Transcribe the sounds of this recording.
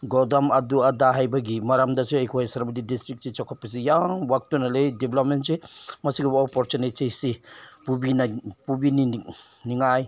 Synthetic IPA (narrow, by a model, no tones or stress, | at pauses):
ɡɔdamaduadaɦajbaɡimaɾamdaseajkʰuhajsaɾbadidistɾik̚sit͡ʃɔkʰɔpis̬ijaŋwak̚tunalejdiblɔp̚mensemɐsiɡabɔpɔɾt͡ʃunesejsepubinapubini | niŋaj